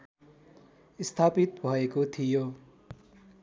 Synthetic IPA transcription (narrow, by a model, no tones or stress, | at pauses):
ist̪ʰapit̪bʱʌekot̪ʰijo